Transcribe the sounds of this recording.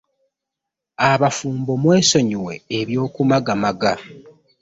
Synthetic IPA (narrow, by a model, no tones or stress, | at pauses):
aβafuːmbo̞mwe̞ːso̞ɲiwe̞̰ːβjo̞ːkumaɡamaɡa